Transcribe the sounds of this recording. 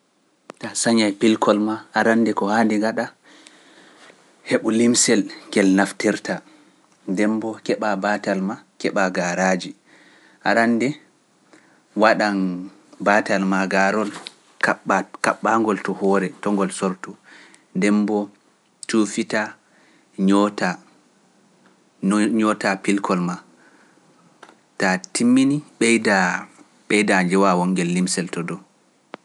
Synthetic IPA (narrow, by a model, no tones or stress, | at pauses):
tasaɲajpilkɔlmaʔːɾandɛkɔhaːndɛŋɡaɗa | heɓulimsɛlɡɛlnaftiɾtʰa | dɛmbɔkɛɓabatalmakɛɓaɡaɾad͡ʒi | ʔaɾanːdɛ | waɗan | batalmaɡaɾɔl | kaakaɓːaŋɡɔltɔhɔːɾɛtɔŋɡɔlsɔɾtu | dɛmbɔ | tufita | ɲɔta | ɲɔtapilkʰɔlma | tatimːiniɓɛjda | ɓɛjdaɲd͡ʒɛwawɔŋɡɛlːimsɛltɔdɔ